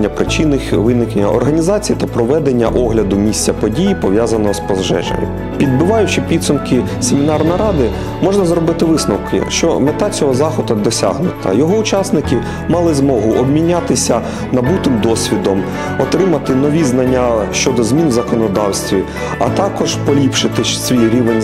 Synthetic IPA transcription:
nʲːɐpɾɪt͡ʃinɪxʋɪnɪkenʲːɐ̰ɔ̰rɦɐnʲizɑt͡sʲijit̪ɐpɾɔʋɛd̪enʲːɐ̰ʔɔɦlʲɐd̪ʊmʲisʲtt͡sʲɐpɔdʲijipɔʋʲjazɐnɔɦɔspɔzʒɛ̰ʒɐ̰mʲʊ̰ | pʲid̪bɪʋɑjʊt͡ʃɪpʲid̪sʊmkɪ | semʲinɑrnɔjɾɑd̪ɪ | mɔʒnɐzɾɔbɪt̪ɪʋɪsnɔwkɪ̰ʃt͡ʃɔ̰met̪ɑt͡sʲɔɦɔzɑxɔd̪ɐd̪ɔsʲa̰ɦnʊt̪ɐ̰jɔɦɔʊt͡ʃɑsnɪkɪ | mɑlˠɪzmɔɦʊʔɔbmʲinʲːat̪ɪsʲɐ | nɐbut̪ɪmd̪ɔsʲʋʲid̪ɔm | ɔt̪ɾɪmɐt̪ɪnɔʋʲiznɐnʲːaʃt͡ʃɔd̪ɔzmʲinzɐkɔnɔd̪ɑwsʲt̪ʲʋʲi | ɐt̪ɑkɔʒpɔlʲipʃɪt̪ɪsʲʋʲijɾʲiʋenʲ

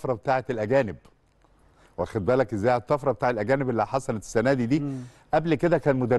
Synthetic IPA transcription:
fɾˤɑbet̪aːʕet̪elʔæɡæːnɪb | wʔæxæd̪̚bæːlækʔezːæːhæt̪ˤːɑfɾˤɑbet̪aːʕelʔæɡæːnɪbʔelːiħɑsˤɑlet̪e̥sːænæːd̪id̪iː | ʔæblked̪ækæːnmod̪æ

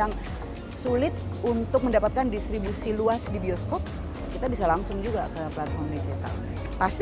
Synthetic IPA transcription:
aŋ | sulɪt̪̚ | unt̪ʊk̚məndapat̪̚kandist̪ɾibusiluasdibioskɔp̚ | kit̪abisalaŋsʊŋd͡ʒuɡa̰kəplat̪̚fɔrmdid͡ʒit̪a̰l | past̪

